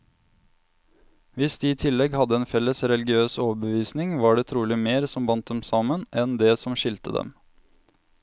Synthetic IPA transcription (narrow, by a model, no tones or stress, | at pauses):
ʋɪsd̪iːiːt̪ʰɪlːɛɡhɑd̪əɛːnfɛlːəsɾɛlɡɪøːsoːʋəbəʋiːsnɪŋʋɑːɖeːt̪ʰɾuːlɪmeːɾsɔmbɑnt̪̚d̪ɛmsɑmənʔɛnd̪ɛːsɔmʃɪlt̪əd̪ɛ̰m